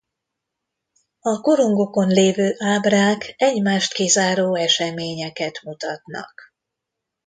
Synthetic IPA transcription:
ɒko̞ɾoŋɡo̞ko̞nleːvøːʔaːbraːkɛɟmaːʃt̪kizaːɾoːɛʃɛmeːɲɛkɛt̪mut̪ɒt̪nɒ̰k

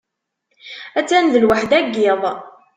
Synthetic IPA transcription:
æt͡sːænðəlwaħd̪æɡːɪðˤ

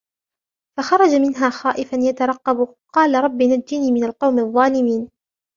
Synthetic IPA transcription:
faxɑɾˤɑd͡ʒamɪnɦaːxɑːʔɪfanjat̪ɑɾˤɑqːɑb | qɑːlaɾˤɑbːinad͡ʒːɪniːmɪnalqɑwmðˤːɑːlɪmiːn

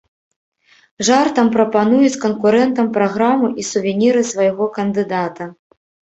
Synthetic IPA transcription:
ʐart̪ɐmpɾɐpanujut͡sʲkɐnkuɾɛnt̪ɐmpɾaɣɾamɨʔisuvʲɛnʲiɾɨsvajɣɔkɐnd̪ɨd̪at̪ɐ

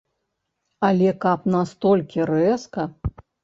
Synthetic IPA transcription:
alʲɛkap̚nast̪ɔlʲkʲiɾɛskɐ

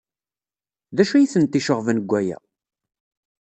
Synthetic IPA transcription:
ðæʃæjiθənt̪ːiʃəʁvənəɡʷːæjæ̰

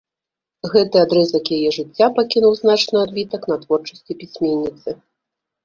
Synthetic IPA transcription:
ɣɛt̪ɨad̪ɾɛzɐkjajɛʐɨt͡sʲːapakʲinuwznat͡ʂnɨad̪bʲit̪ɐkn̪ɐt̪vɔrt͡ʂɐsʲt͡sʲipʲisʲmʲenʲːit̪sɨ

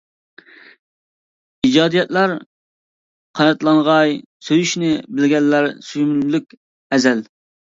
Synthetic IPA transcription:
id͡ʒɑːd̪ijɛt̪læɾ | qʰɑnɛt̪lˠɑŋʁɑjsøjyʃnɪbɪlɡʲɛnːæɾsyjymlykʲ | ɛzɛl

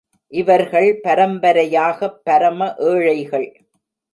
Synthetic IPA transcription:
ʔɪʋɐɾɣɐɭpɐɾɐmbɐɾɐjaːɣɐpːɐɾɐmɐʔeːɻɐɪɣɐɭ

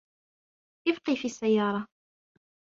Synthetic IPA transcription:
ɪvqifisːæjːɑɾˤɑ

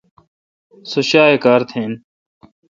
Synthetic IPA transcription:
sʊʃaːekaːɾt̪ʰẽːn

